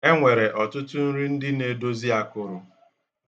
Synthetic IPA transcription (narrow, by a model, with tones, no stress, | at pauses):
e˦ŋʷe˨ɾe˨ʔɔ˨tʊ˦tʊ˦n̩˦ɾi˦n̩˦dɪ˦ne˨do˦zi˦a˨kʊ˦˨ɾʊ˨